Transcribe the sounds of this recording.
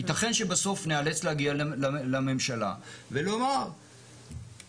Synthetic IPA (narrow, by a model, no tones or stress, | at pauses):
it̪aχenʃebaso̞fnealet͡slehaɡialalame̞mʃala̰velo̞maʁ